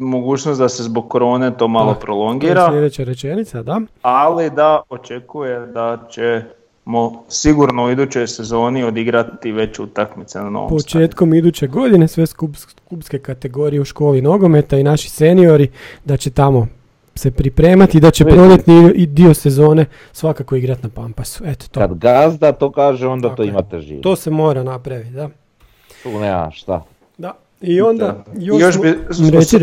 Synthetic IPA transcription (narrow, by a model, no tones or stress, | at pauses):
moɡuːt͡ʃnosd̪asezboɡ̚kːoɾo̞ːne̞t̪o̞ːmalopɾolo̞ŋɡiːɾaled̪et͡ɕaɾe̞t͡ʃe̞nit̪sad̪aalid̪aot͡ʃekujed̪at͡ʃe | mosiɡuɾnouid̪ut͡ɕo̞jsezo̞ːniod̪iɡɾat̪iʋe̞t͡ɕṵt̪akmit̪senano̰ːpot͡ʃe̞ːt̪ko̞mid̪ut͡ɕe̞ɡo̞d̪ine̞sʋe̞skup | kupske̞kat̪e̞ɡo̞ːɾijeuʃko̞ːlino̞ɡo̞me̞t̪ainaʃi̥senio̞ɾid̪at͡ɕe̞t̪amo̞ | se̞pɾipɾe̞ːmat̪id̪at͡ɕepɾɾod̪et̪niid̪iose̞zo̞ːne̞ | sʋakakoiɡɾat̪napampasu̥et̪o̥t̪okad̪ɡazd̪at̪oːkaːʒeo̞nd̪aoimat̪eʒḭːt̪o̞ːse̞mo̞ːɾanapɾaʋit̪d̪a | t̪unea̰ʃt̪a̰ | d̪a | io̞nd̪ajooʃiɾes